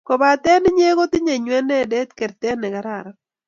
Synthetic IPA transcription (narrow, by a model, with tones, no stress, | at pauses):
kɔ˨ba˨t̪ɛ˦nɪ˦ɲe˦ɡo˦t̪ɪ˦ɲe˨ɲwɛ˦nɛ˦˨de˦t̪kɛ˨ɾt̪ɛ˦nɛ˨ɡa˦ɾa˨ɾa˦